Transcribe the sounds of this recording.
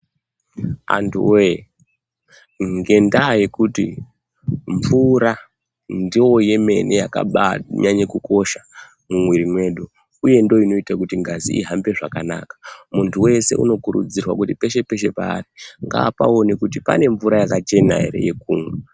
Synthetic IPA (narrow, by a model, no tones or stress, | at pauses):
a̰ntṵe | ŋɡe̞ndaaje̞kutḭ | ɱvuɾa | ndiwo̞je̞me̞nejaka̰ɓaɲaɲekukʰo̞ʃa | mumwiɾimwe̞ːɗo | uje̞ndo̞ino̞itakutiŋɡazḭiɦambe̞ʐakana̰ːkḁmuntʰuwe̞se̞ʔṵno̞kuɾṵd͡zirwakutipe̞ʃe̞pe̞ʃe̞pa̰ːriŋɡaːpa̰o̞nekutipa̰ne̞ɱvuɾajakat͡ʃe̞na̰ɦḛɾe̞̰je̞kuːŋwe